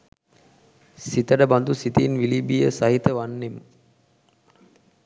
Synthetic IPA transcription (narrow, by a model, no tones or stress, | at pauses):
sit̪əɖəband̪usit̪inʋilibijəsaɦit̪əʋanːemə